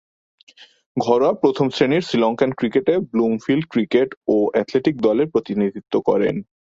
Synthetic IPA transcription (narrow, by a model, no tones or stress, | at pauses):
ɡʱɔɾapɾot̪ʰomsɾeniɾsɾilɔŋkankɾikeʈeblumfilɖkɾikeʈoʔɛt̪leʈik̚d̪ɔleɾpɾot̪inid̪ʱit̪ːokɔ̰ɾḛn